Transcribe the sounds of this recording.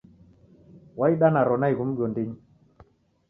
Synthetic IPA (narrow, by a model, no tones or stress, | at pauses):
waiɗanaɾɔnaiɡumɡondiɲ